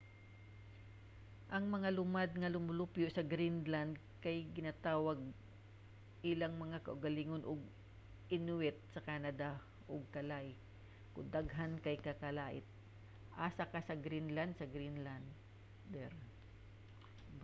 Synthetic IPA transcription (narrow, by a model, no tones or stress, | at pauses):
ʔɐŋmɐŋalʊmad̪̚ŋɐlʊmʊlupjoʔsɐɡɾinland̪ | kɐjɡɪnat̪aːwɐɡ̚ | ʔɪlaŋmɐŋakɐʔʊɡɐliŋonʔʊɡ̚ | ʔɪnwɛt̪̚sɐkanɐd̪a | ʔoɡ̚kɐlaʔɪ | kʊd̪aɡɦankɐjkɐkɐlaːʔɪt̪̚ | ʔasakasɐɡɾinland̪̚sɐɡɾinland̪ | d̪ɛɾ